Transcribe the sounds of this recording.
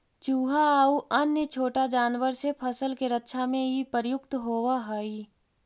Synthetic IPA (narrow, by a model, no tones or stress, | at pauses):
t͡ʃuːɦaːuʔɐnjət͡ʃʰoːʈad͡ʒaːnʋəɾsepʰɐsəlkeɾətːʃʰamẽɦipəɾjʊkt̪ɦoːwaɦɐi